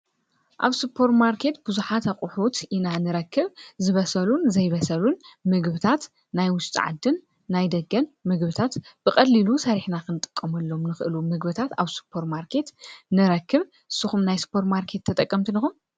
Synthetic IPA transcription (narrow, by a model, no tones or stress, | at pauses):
ʔaβsɨpʰo̞ɾmaɾkʰe̞t̪bɨzuħat̪ʰaqʼuħot̪ʰinanɨɾɐkʰːɨβzɨβɐsɐlunzɐjβɐsɐlunmɨɡbɨt̪ʰat̪ | najwʊʃt̪ʼɨ̰ʕa̰d̪ːɨnː | ajd̪ɐɡɐnmɨɡbɨt̪ʰat̪b̥ɨkʼɐlːilusɐɾiħnakʰɨnt̪ʼɨ̥kʼːɐmɐlːo̞mnɨxɨʔɨlumɨɡbɨt̪ʰat̪aβsɨ̥pʰːo̞ɾmaɾkʰe̞t̪nɨɾɐkʰːɨβ | ʔɨsːɨxumnajsɨ̥pʰo̞ɾmaɾkʰe̞t̪ʰːɐt̪ʼɐkʼːɐmt̪ʰinixum